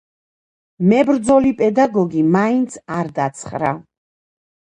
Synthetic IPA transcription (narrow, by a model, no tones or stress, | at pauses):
mɛbɾd̪zɔlipʼɛd̪aɡɔɡimaint̪sʰaɾd̪at̪sʰχɾa